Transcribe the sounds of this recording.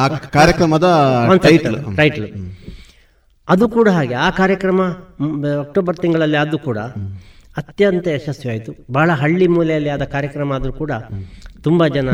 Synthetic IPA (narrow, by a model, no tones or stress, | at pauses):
kaːɾjɐkɾɐmɐd̪ɐʋɐnsɐʈɐɾɐjʈɐlu | ɐd̪ukuːɽɐɦaːɡeaːkaːɾjɐkɾɐmɐ | ɐk̚ʈoːbɐɾt̪iŋɡɐɭɐlːiɐd̪ukuːɽɐ̰ | ɐt̪jɐnt̪ɐɐʃɐsjɐaːjit̪ubaːɭɐɦɐɭːimuːlɛjɐlːiaːd̪ɐkaːɾjɐkɾɐmɐːd̪ɐɾukuːɽɐt̪umbɐd͡ʒɐnɐ